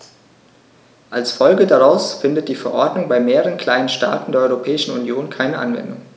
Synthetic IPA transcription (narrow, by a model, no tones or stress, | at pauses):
ʔalsfɔlɡədaʁaʊsfɪndət̚d̥iːfɛɐʔɔɐdnʊŋbaɪmeːʁəʁənkʰl̥aɪnənʃta̰ːtn̩deːɐʔɔʏʁopʰɛːɪʃn̩unjoːnkʰaɪnəʔa̰nvɛ̰ndʊŋ